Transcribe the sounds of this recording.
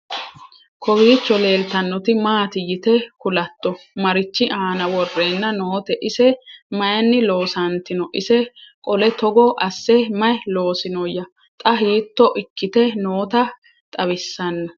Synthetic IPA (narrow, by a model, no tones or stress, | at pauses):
kʰɔwiːt͡ʃːɔle̞ːlt̪ɐnːɔt̪ɪmaːt̪ɪjɪt̪ɛkʊlɐt̪ːɔ | mɐɾɪt͡ʃːɪʔaːnɐwɔrːe̞ːnːɐnoːt̪ɛʔɪsɛmɐjɐnːɪlo̞ːsɐnt̪ɪnɔʔɪsɛkʼɔlɛt̪ɔɡɔʔɐsːɛmɐjlo̞ːsɪnɔjɐ | t̪ʼɐɦiːt̪ːɔʔɪkːɪt̪ɛno̞ːt̪ɐ | t̪ʼɐβɪsːɐnːɔ